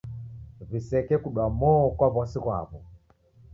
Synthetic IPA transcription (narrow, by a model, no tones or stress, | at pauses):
visɛkɛkuɗwamɔɔkwaβɔsiɣwa̰βɔ